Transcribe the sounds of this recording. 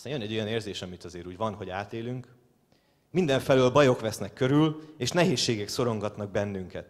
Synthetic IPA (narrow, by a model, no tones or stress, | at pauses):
t̪aːnjønɛɟo̞jɒneːrzeːʃɒmit̪ɒzeːɾuːɟʋɒnɦo̞ɟaːt̪eːlyŋk | mind̪ɛɱfɛløːlbɒjo̞kʋɛsnɛkːøɾyleːʃnɛɦeːʃːeːɡɛkso̞ɾo̞ŋɡɒt̪nɒɡ̚bɛnːyŋkɛt̪